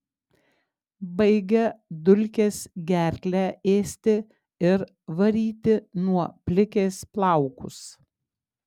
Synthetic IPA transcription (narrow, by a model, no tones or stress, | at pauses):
bɐɪɡʲɛd̪ʊlʲkʲeːsɡʲæːɾʲkʲlʲæeːsʲt̪ʲɪ | ɪɾ | ʋɐɾʲiːt̪ʲɪnuɔpʲlʲɪkʲeːsplˠɑˑʊkʊ̰s